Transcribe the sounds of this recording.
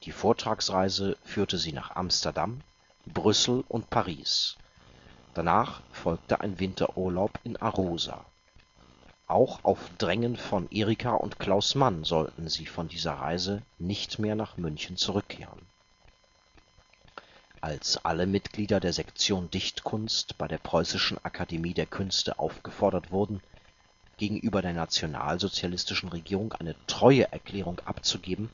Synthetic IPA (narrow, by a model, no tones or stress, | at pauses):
d̥iːfoːɐtʁ̥aːksʁaɪzəfyːɐtəziːna̰ːχʔa̰mstɐdam | bʁʏsl̩ʔʊ̰ntpʰaʁiːs | d̥anaːχfɔlk̚tə̰ʔa̰ɪnvɪntʰɐ̰ʔuːɐlaʊpɪnʔaʁoːza̰ | ʔaʊxa̰ʊfd̥ʁɛŋənfɔnʔeːʁikʰaʔʊ̰ntkl̥aʊsmanzɔltn̩ziːfɔndiːzɐ̰ʁa̰ɪzənɪçtmeːɐnaːχmʏnçn̩t͡suʁ̞ʏkʰːḛːʁ̞ə̰n | ʔalsʔa̰ləmɪtɡ̥liːdɐdeːɐzɛkt͡sjoːndɪçtkʰʊnstb̥aɪɾeːɐpʁ̥ɔʏsɪʃn̩ʔa̰kʰademiːdeːɐkʰʏnstə̰ʔa̰ʊfɡ̥əfɔɐɾɐtv̥ʊɐdn̩ | ɡ̥eːɡŋ̩ʔyːbɐɾeːɐnat͡sjona̰ːlzot͡sjalɪstɪʃn̩ʁeɡiːʁʊŋʔa̰ɪnətʁ̥ɔʏəʔɛɐkʰl̥ɛːʁ̞ʊŋʔa̰pt͡suɡeːbm̩